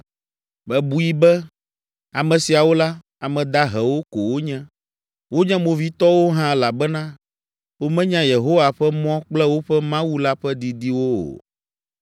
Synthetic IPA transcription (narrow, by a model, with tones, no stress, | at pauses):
bɛ˨bu˨i˦bɛ˦ | a˨mɛ̃˨si˨a˨wo˦la˦ | a˨mɛ̃˨d̪a˦ɦɛ˨wo˦ko˨wo˦ɲɛ̃˦ | wo˦ɲɛ̃˦mõ˨vi˦t̪ɔ˦wo˦ɦã˦la˨bɛ˦nã˦ | wo˦mɛ̃˦ɲã˦je˨ɦo˦wa˨ɸɛ˦mɔ̃˦k͡plɛ˦wo˦ɸɛ˦mã˦wu˦la˦ɸɛ˦d̪i˨d̪i˦wo˦o̰˨